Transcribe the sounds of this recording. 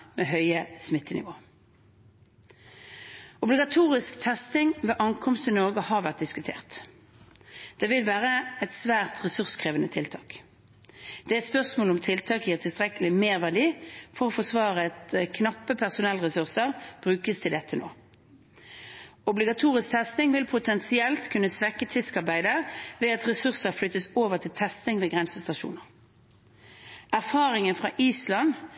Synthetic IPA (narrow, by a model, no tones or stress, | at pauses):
meɦœʏəsmɪt̪ʰːənɪ̰ʋoː | ʊblɪɡɑt̪ʰuːʁɪskt̪ʰɛst̪ɪŋʋeːʔɑŋkʰɔmst̪ɪnɔʁɡəhɑʁʋæʁt̪̚d̪ɪskʉt̪ʰḛːʁt̪ | d̪̥eːʋɪlʋæːʁəɛt̪sʋæːʁt̪ʁɛsʉʁskʰʁeːʋənət̪ʰɪlt̪ʰɑːk | d̪̥ɛæspœʁsmoːlɔmt̪ʰɪlt̪ʰɑːkiːʁt̪ʰɪlst̪ʁɛkəlɪmeːʁʋæʁd̪iːfɔʁɔːfɔsʋɑːʁəɛt̪kʰnɑpːəpʰæʁsʊnɛlʁɛsʉʁsəʁb̥ʁʉːkəst̪ʰɪld̪ɛt̪ʰːəno̰ː | ɔblɪɡɑt̪ʰuːʁɪsk̚t̪ʰɛst̪ɪŋʋɪlpʰʊt̪ʰɛnsɪɛlt̪kʰʉnːəsʋɛkːət̪ʰɪskɑʁbæɪd̪əʋeːɑt̪ʁɛsʉʁsəʁflʏt̪ːəsoːʋəʁt̪ʰɪlt̪ʰɛst̪ɪŋʋeːɡʁɛnsəst̪ɑʃṵːnəʁ | æʁfɑːʁɪŋənfʁɑʔiːslɑn